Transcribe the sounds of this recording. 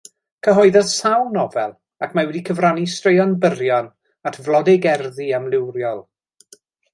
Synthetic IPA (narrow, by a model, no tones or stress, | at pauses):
kʰəɦɔɨðɔðsawnɔvɛlˠ | akʰmawɛdikʰəvranistrejɔnbəɾjɔn | atʰvlˠɔdɪɡɛrðiamlˠɪwrjɔlˠ